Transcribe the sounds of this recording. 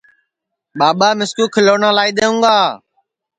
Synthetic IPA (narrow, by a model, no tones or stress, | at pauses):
ɓaːɓaːmɪskuːkʰɪloːnãːlaːiːɗ̪eːũːɡaː